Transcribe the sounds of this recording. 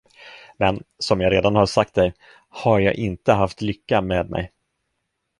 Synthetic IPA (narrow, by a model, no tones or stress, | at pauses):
mɛnsɔmjɑːɾeːd̪anhaɾʂak̚t̪̚d̪ɛj | haɾjɑ̰ːɡʔɪnt̪əɦaft̪lʏkːameːd̪mʔɛ̰j